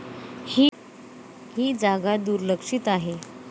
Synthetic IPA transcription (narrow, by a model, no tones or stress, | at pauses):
hi | hiːd͡zaɡad̪uɾləkʂiːt̪aɦe